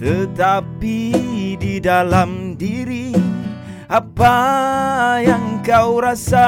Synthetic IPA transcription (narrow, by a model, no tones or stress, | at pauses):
t̪ət̪apididalamdiɾi | ʔapa | jaŋkawɾasa